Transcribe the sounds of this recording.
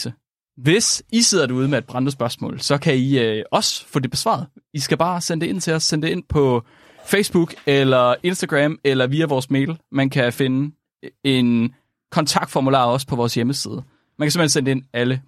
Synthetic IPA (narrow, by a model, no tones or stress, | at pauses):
ə | ʋe̝sise̝ð̰ˠɐd̥euð̞ˠmeæd̥̚b̥ʁɑ̈nd̥əs̬b̥ɶɐsmɔ̰̽ːlsɒ̽kʰæiɒ̽sfɔ̰̽ːd̥e̝b̥e̝sʋɑ̰̈ð̩ˠisɡ̥æb̥ɑ̈ːsen̰d̥e̝e̝n̰t͡sʰe̝ɒssen̰d̥e̝e̝n̰pʰɒ̽ | feɪsb̥uɡ̥elɐe̝nsd̥æɡ̥ʁɛmelɐʋiːæʋɒːsme̝̰ːl̩mænkʰæfe̝nə | e̝n | kʰɒ̽nt͡sʰɑ̈ɡ̥̚d̥fɒmulɑ̰̈ːɒ̽spʰɒ̽ʋɒːsjeməsiːð̞ˠə | mænkæsemensend̥ee̝nælə